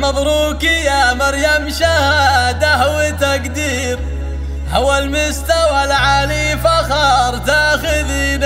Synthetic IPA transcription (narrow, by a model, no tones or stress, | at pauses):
mɑðˤɾuːkijamɑɾjamʃahad̪aɦawɪt̪akd̪iː | ɾ | hawalmʊst̪awalʕalifaxɑːɾˤt̪axɪðin